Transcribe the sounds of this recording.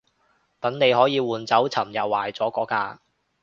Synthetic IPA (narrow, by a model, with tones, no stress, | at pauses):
t̪ɐ˨˥ŋne˨˧jɦɔː˨˥jiː˨˧wuː˨nt͡sɐ˨˥wt͡sʰɐ˨˩mjɐ˨˩wːaː˨˩jt͡sɔː˨˥kɔː˨˥kaː˧